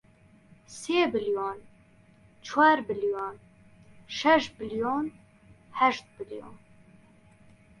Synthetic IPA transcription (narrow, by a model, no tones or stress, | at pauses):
seːbɨljoːn | t͡ʃʰwaːɾbɨljoːn | ʃɛʃ̚bɨljoːn | hɛʃt̪̚bɨljo̰ːn